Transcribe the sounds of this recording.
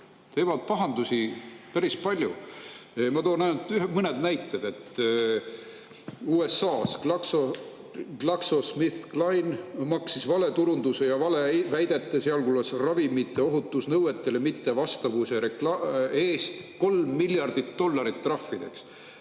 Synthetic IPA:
t̪e̞ːvɑd̪̥̚pɑɦɑnd̪usʲipæɾispɑlʲjuemɑt̪oːnɑnut̪yɦemɤned̪næjt̪ˑːed̪̥e̞t̪ːˑ | uːe̞sɑːsklɑkso | klɑksosmiθklɑjnmɑksisvɑle̞t̪uɾund̪use̞jɑvɑlevæjd̪̥e̞t̪ːˑeseɑlkulɑsrɑvimit̪ːˑe̞o̞ɦut̪ːˑusnɤwe̞t̪ˑːelemit̪ːe̞vɑst̪ɑvuseɾeklɑe̞ːst̪ko̞lmːilʲjɑrd̪̥it̪ːo̞lːɑɾit̪ːrɑfːid̪̥e̞̰ks

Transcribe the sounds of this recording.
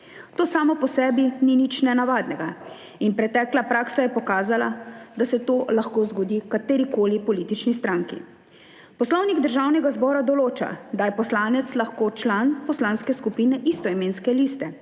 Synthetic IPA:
t̪oːsaːmɔpɔsɛːbininit͡ʃnɛnaʋaːd̪nɛɡa | inpɾɛt̪ɛːklapɾaːksajɛpɔkaːzalad̪asɛt̪oːlaxkoːzɡɔd̪iːkat̪eːɾikoːlipɔliːt̪it͡ʃnist̪ɾaŋkḭ | pɔslɔwniɡd̪əɾʒaːwnɛɡazbɔːɾad̪ɔloːt͡ʃa̰d̪ajɛpɔslaːnɛt̪slaxkoːt͡ʃlanpɔslaːnskɛskupiːnɛʔist̪ɔimeːnskɛlist̪ɛ

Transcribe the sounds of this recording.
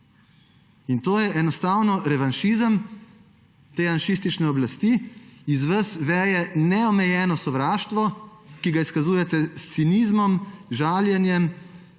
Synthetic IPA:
int̪oːjɛʔɛnɔst̪aːwnɔɾɛʋanʃizəm | t̪eːanʃist̪it͡ʃnɛɔblast̪iizʋəsʋɛːjɛnɛɔmɛjɛːnɔsɔʋɾaːʃt̪ʋɔkiɡaiskazuːjɛt̪ɛst̪sinizmɔmʒaːljɛnjɛm

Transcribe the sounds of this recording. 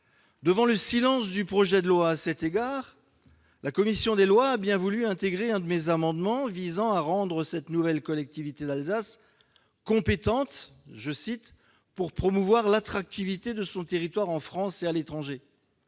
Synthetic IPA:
d̪əvɑ̃ləsilɑ̃sd̪ypχɔʒɛd̪əlwaːsɛt̪eɡaʁ | lakɔmisjɔ̃d̪elwaːbjɛ̃vulyɛ̃t̪eɡʁeɛ̃d̪əmezamɑ̃d̪mɑ̃vizɑ̃aʁɑ̃d̪ʁəsɛt̪nuvɛlkɔlɛk̚t̪ivit̪ed̪alzas | kɔ̃pet̪ɑ̃t̪ʒəsit̪ | puʁpχɔmuvwaʁlat̪χak̚t̪ivit̪ed̪əsɔ̃t̪eʁit̪waʁɑ̃fχɑ̃sealet̪χɑ̃ʒe

